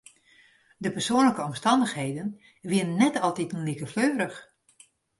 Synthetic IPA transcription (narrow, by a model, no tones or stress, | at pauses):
dəpərsoənləkəɔmstɑndəxhejdən | ʋɪənənːɛtɑlˠtitənlikəfløːɾəx